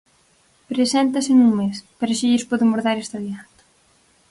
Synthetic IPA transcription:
pɾesɛnt̪ɐsɪnuŋmespeɾɐʃiʎɪspɔðɪmoɾðaɾest̪aðjant̪ḁ

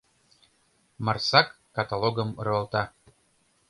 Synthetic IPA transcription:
mɑrsɑkːɑt̪alˠoɣə̆mɾɤə̆lˠt̪ɑ

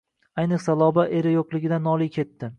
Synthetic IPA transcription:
ajnɨqsalˠɒbaʔe̞ɾɪjoqlˠɪɡʲɪd̪anɒlˠijkʲʰe̞t̪ːɪ

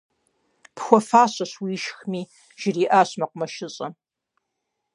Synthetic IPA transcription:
pxʷɔfaːɕɐɕwiːʃxmiː | ʒ̥ɪriːʔaːɕmɐqʷʊmɐʃɪɕʼɐ

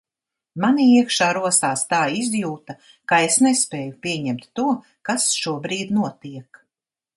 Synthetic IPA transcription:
maniiɛkʃaːɾuɔsaːst̪aːizjuːt̪a | kaesnɛspeːjupʲiɛɲɛmt̪ːuɔ | kasʃuɔbɾiːd̪nuɔt̪iɛk

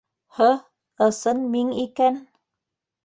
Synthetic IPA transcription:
hɤ | ɤ̆sɤnmiŋikæn

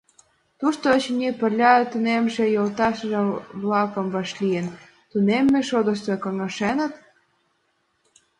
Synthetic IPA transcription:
t̪uʃt̪ot͡ɕnʲepə̆rlʲɑt̪unemʒĕjolt̪ɑʃə̆ʒə̆βlɑkɤ̆mvɑʃlʲijen | t̪unemːeʃod̪ə̆ʃ̬t̪ekɑŋɑʃenə̆t̪

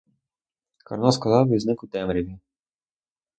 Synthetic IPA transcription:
kɐ̰ɾnɔskɔlˠɑiznɪkʊt̪ɛmɾʲiʋʲi

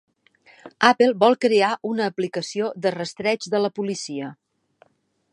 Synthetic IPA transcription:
apelˠbɔlˠkɾeaʔunəːplikəsioðərəst̪ɾɛd͡ʒðələpulisiə

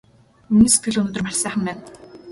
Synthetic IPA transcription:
miniːse̥t̪̚ɡɘ̆ɮɵnoːt̪ɵ̆rmar̥ʲsæːχə̆mpæːn

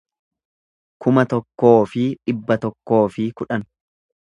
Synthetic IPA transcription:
kʰʊmɐt̪ɔkːo̞ːfɪᶑɪbːɐt̪ɔkːo̞ːfɪkʊᶑɐn

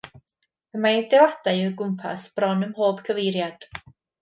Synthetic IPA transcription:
əmaɪdɛadaɨəɡʊmpʰa̰sb̥rɔnəmhoːb̥kʰəvejɾjad̥

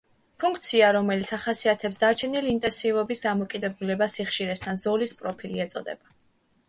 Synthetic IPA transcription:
pʰuŋkʰt̪sʰiaɾɔmɛlit̪sʰaχasiat̪ʰɛpsd̪aɾt͡ʃʰɛniliːnt̪ʼɛ̃nsivɔbisd̪amɔkʼid̪ɛbulɛbasiχʃiɾɛst̪ʰanzɔlispʼɾɔpʰiliɛt̪sʼɔ̰d̪ɛ̰ba

